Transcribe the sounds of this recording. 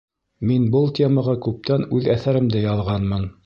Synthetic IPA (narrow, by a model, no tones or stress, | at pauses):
minbɤlˠtʲʰeməʁɑkʉp̚t̪ænʉðæθæɾɘ̆md̪ɘjɑlˠʁɑnmɤn